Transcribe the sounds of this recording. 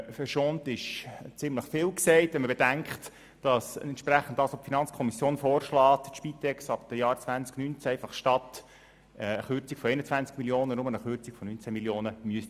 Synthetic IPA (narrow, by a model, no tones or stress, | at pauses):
fərʃoːntɪʃt͡sɪmləχfɪːlksɛɪtʋɛnməbedæŋkχt | d̥ɑsntʃpræχən̩dɑsʋopfinɑnt͡skʰɔmisjoːnfoːrʃlɑːtʃpit̪ɛksɑp̚d̥əjɑːɾt͡svʋænt͡sknynt͡sæɛɪfɑχʃtɑt̪ː | əχʏɾt͡sikfɔɛɪnət͡sʋænt͡skmiljoːnənʊmənəχʏrt͡sikfɔnynt͡sæmiljoːnəmyəst